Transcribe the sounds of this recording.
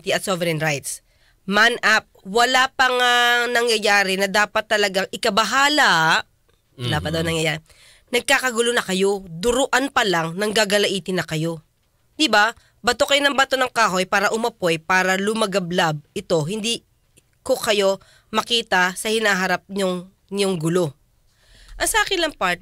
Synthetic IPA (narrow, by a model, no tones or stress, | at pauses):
t̪iɐt̪̚sovɛɾɛnɾajt̪s | manʔap̚wɐlapɐŋanɐŋjɐjaːɾɪnɐd̪aːpɐt̪ːɐlɐɡaŋʔɪkɐbɐɦaːla | wɐlaːpɐt̪d̪ɐwnɐŋjɐja | nɐɡ̚kaːkɐɡʊlonɐkɐjo̞d̪ʊɾʊʔanpɐlaŋnɐŋɡaɡɐlɐʔiːt̪ɪnɐkɐjo̞ | d̪̥ɪba | bɐt̪okɐjonɐŋbɐt̪o̞nɐŋkaːɦo̞jpaːɾɐʔʊmɐpo̞jpaːɾɐlʊmɐɡɐblab̚ʔɪt̪o̞hɪnd̪iː | ko̞kɐjo̞ | mɐkiːt̪ɐsɐhɪnaːɦɐɾap̚ɲoŋ | ɲoŋɡʊlo̞ | ʔɐŋsɐʔaːkɪnlɐŋpaɹt̪̚